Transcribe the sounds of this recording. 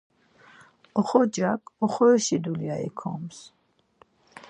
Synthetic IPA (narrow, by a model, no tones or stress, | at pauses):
ɔχɔd͡ʒakʰʼɔχɔɛʃid̪uliaḭkʰɔms